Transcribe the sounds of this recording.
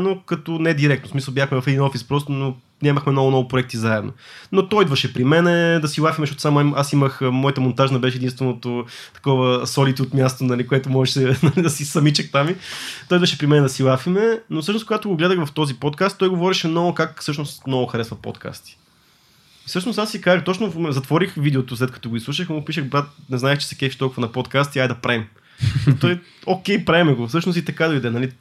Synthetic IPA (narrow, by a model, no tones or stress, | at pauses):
nokɐt̪onɛd̪iɾɛkt̪nosmisɐlˠbjaxmɛvɐfɛd̪inɔfispɾɔs̬t̪ono | ɲʲaməxmɛnɔɡʊnɔvʊpɾoɛk̚t̪izaɛd̪no̰not̪ɔid̪vɐʃɛpɾimɛnɛd̪ɐsilˠafimɛsʃɔt̪ʊsamoimʔasiməxmɔjət̪əmont̪aʒnɐbɛʃɛd̪inst̪vɛnot̪ot̪ɐ̥kɔvəsɔlit̪ʲiot̪mʲjast̪onɐlikoɛt̪omɔʒɛʃɛnɐlid̪ɐsisɐmit͡ʃək̚t̪amit̪ɔjid̪vəʃɛpɾimɛnɛd̪ɐsilˠafimɛnofsɤʃnoskoɡat̪oɡoɡlɛd̪əxvɐft̪ɔzipɔt̪̚kast̪ːɔjɡovɔɾiʃɛmnɔɡokakfsɤʃnost̪mnɔɡʊxɐɾɛsvɐpo̰t̪kʰa̰st̪i̥ | sɤʃnʊsasːikazəxt̪ɔt͡ʃnovzɐt̪vɔɾixvid̪ɛot̪ʊslɛt̪̚kɐ̥t̪ɔɡoislˠuʃəxmopiʃəxbɾat̪nɛznaɛt͡ʃɛ̥sɛ̥kɛfiʃt̪ɔlˠkʊuvɐnɐpɔt̪kast̪iajd̪ɐpɾɛm | t̪ɔj | okʲɛjpɾɛmɛɡofsɤʃnost̪it̪ɐkad̪oid̪ɛnɐli